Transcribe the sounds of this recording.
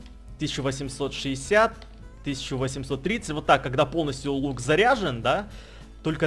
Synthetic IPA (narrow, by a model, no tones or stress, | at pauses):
t̪ɨsʲt͡ɕːʊvəsʲɪmso̞t̪ʂɨɪsʲat̪ː | ɨsʲɪ̥t͡ɕːʊvəsʲɪmso̞t̪ːɾʲit̪sətʲvo̞t̪ːakːɐɡd̪apo̞lˠnəsʲtʲjʊlˠukzɐɾʲaʐɨnd̪a | t̪o̞lʲkə